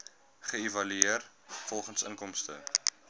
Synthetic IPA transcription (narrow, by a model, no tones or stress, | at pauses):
χəivɐlyeər | fɔlˠχənsə̰ŋkɔmstə̰